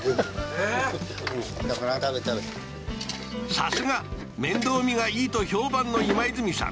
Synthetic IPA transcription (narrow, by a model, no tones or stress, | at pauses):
e | at̪aet̪ae | sa̰sɨɡa | mẽ̞nd̪o̞ːmʲiɡaiːt̪oço̞ːbãnːo̞imaizɨmʲisã̰